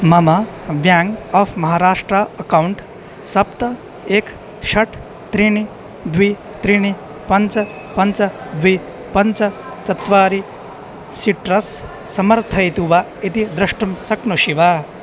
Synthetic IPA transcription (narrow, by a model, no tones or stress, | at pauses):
mɐmɐʋjaːŋɡaːfʰmɐɦaːɾaːʂʈɾɐɐkɐwɳʈ | sɐpt̪ɐ | eːk | ʃɐʈ | t̪ɾiɳi | d̪ʋi | t̪ɾiɳi | pɐnt͡ʃɐ | pɐɲt͡ʃɐd̪ʋi | pɐnt͡ʃɐ | t͡ʃɐt̪ʋaːɾi | siʈɾɐsː | ɐmɐɾt̪ʰɐjt̪uʋa | it̪id̪ɾɐʂʈɐmsɐknuʃiʋaː